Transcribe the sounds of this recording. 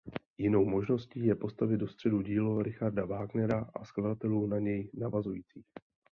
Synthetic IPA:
jɪno̞wmo̞ʒno̞sciːjɛpo̞st̪avɪd̪do̞st̪r̝̥ɛduɟiːloɾɪxaɾdavaːɡnɛɾaʔaskladat̪ɛluːnaɲɛjnavazujiːt͡siːx

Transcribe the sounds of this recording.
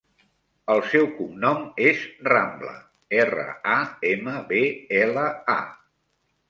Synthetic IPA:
əlˠsɛwkumnɔmezramblə̰ | erə̰aeməβeeləa̰

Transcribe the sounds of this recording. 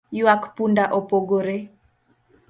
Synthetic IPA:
juakpundaʔopoɡoɾe

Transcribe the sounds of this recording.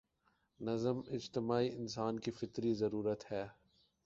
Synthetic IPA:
nɐzəmɪd͡ʒt̪ɪmaːiɪnsaːnkifɪt̪ɾizɐɾuːɾət̪hɛː

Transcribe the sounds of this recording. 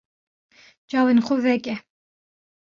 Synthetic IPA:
t͡ʃɑːwenxʷovɛkɛ

